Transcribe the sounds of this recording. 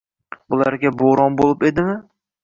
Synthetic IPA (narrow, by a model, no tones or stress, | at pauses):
bʊlˠaɾɡʲaboɾɒnbolˠɪpe̞d̪ɪmɪ